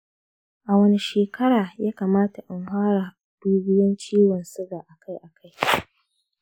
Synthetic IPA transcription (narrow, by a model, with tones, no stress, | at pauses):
ʔa˨wɐ˦ni˦ʃeː˨kɐ˦ɽaː˨jaː˦kaː˨maː˦ta˨ʔɪ˨ŋhʷaː˦ɽaː˨ | d̥uː˦bɪ˦jɔ˦nt͡ʃiː˦wɔ˨nsɪ˦ɡaː˨ʔa˨ka˦jʔa˨kʰa˦j